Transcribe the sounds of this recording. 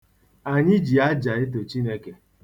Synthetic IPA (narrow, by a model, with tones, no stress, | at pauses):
a˨ɲɪ˦d͡ʒi˨a˦d͡ʒa˨ɪ˦t̬o˨t͡ʃi˦ne˦ke˨